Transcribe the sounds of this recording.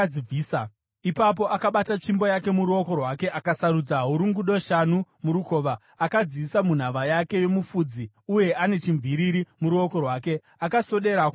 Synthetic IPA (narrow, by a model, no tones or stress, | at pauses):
iiːsa | ipap̬o̞ʔakaɓatat͡ʂimbo̞jake̞muɾuo̞ko̞rwake̞ʔakasaɾud͡zaɦuɾuŋɡuɗo̞ʃan̤umuɾuko̞ːʋaː | kad͡ziisamun̤aʋajake̞jo̞mufud͡zi | uje̞ʔane̞t͡ʃiɱviɾiɾimuɾuo̞ko̞rwaːke̞ | akaso̞ɗe̞ɾa